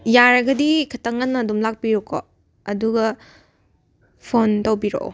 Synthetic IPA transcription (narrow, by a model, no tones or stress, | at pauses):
jaɾɐɡɐdikʰɐtɐŋɐnːɐdumlak̚piɾokʰːo | ɐduɡɐ | pʰontɐwbiɾo̰ʔo̰